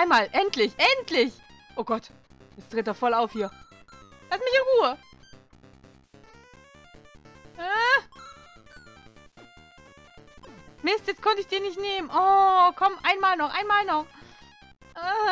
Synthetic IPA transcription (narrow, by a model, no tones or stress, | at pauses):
aɪnmaːlʔɛntlɪçʔɛntʰlɪç | ʔoːɡɔt | jɛt͡stʁ̥eːteːɐfɔlaʊfhiːɐ | lastmɪçɪnʁuːə | a | mɪstjɛt͡skʰɔntəɪçd̥iːɐnɪçtneːmənʔɔːkʰɔmʔaɪnmaːlnɔχʔaɪnmaːlnɔχ | ʔa